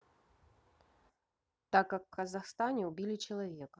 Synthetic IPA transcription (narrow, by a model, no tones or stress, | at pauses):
t̪akjɐkkːɐzaxst̪anʲɛwbʲilʲit͡ʃɐlˠavʲɛkɐ